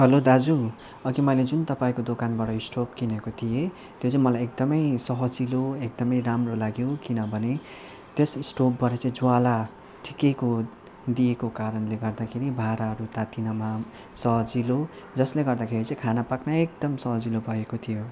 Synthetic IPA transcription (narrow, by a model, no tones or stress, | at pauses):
ɦʌlod̪ad͡zu | ʌkimʌjled͡zunt̪ʌpaĩkod̪okanbaʈʌisʈopkinʌkot̪ʰije | t̪jot͡sʌimʌlajek̚d̪ʌmʌjsʌɦʌd͡ziloek̚d̪ʌmʌjɾamrolaɡjokinʌbʱʌne | t̪esisʈopbʌɾʌt͡sʌĩd͡zwala | ʈʰikeko | d̪ijekokaɾʌnleɡʌrd̪akʰeɾibʱaɾaɦʌɾut̪at̪inʌma | sʌɦʌd͡zilo | d͡zʌsleɡʌrd̪akʰeɾit͡saĩkʰanapaknaek̚d̪ʌmsʌɦʌd͡zilobʱʌekot̪ʰijo